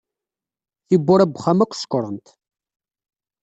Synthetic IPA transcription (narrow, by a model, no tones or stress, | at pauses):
θibːʊɾæbχamækʷːsə̥kːɾˤənt̪